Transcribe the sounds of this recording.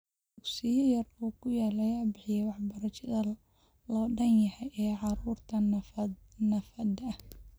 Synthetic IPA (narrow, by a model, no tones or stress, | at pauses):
d̪ʊksɪjɐjɐruːkʰʊjaːlɐjaːbɪħɪjɛwɑħbɐɾɐt͡ʃɐðɐ | lɔːɖɐnjɐhɛjʔɛːʕɑɾuːrt̪ʰɐ | nɐfɐd̪ɐh